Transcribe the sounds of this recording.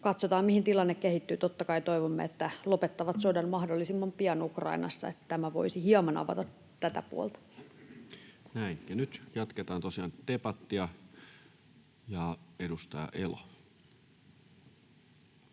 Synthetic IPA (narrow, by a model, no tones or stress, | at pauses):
kɑt̪sot̪ɑːmihint̪ilɑnːekkehit̪ːyːt̪ot̪ːɑkɑit̪o̞iʋomːḛet̪ːælopet̪ːɑʋɑt̪sodɑnmɑhdolːisimːɑmpiɑnukrɑ̰inɑ̰sːɑ̰et̪ːæt̪æmæʋo̞̰isihiɑmɑnɑ̰ʋɑ̰t̪ɑt̪ | t̪æt̪æ̰pṵo̰lt̪ɑ̥ | næiŋkænyt̪jɑt̪ket̪ɑːnt̪osiɑːnt̪epɑt̪ːiɑ | jɑedust̪ɑjɑ̰ʔelo